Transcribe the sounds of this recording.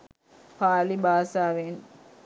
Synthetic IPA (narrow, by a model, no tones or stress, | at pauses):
paːlibaːsaːʋen